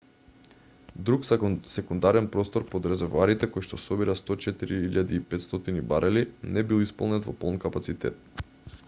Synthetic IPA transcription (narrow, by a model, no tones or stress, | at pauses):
d̪ɾuksɛkund̪aɾɛnpɾɔst̪oɾpod̪ɾɛzɛɾvaɾit̪ɛkojʃt̪ɔsɔbiɾast̪ɔt͡ʃɛt̪iɾiiʎad̪iːpɛt̪st̪ɔt̪inibaɾʔɛlinɛbilˠispɔlˠnɛt̪vɔpɔlˠnkapat̪sit̪ɛ̰t̪̚